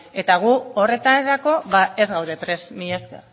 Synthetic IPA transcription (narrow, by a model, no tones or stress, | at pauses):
e̞t̪aɣ̞uore̞t̪aneɾako̞βae̞zɣawɾe̞pɾe̞smiaske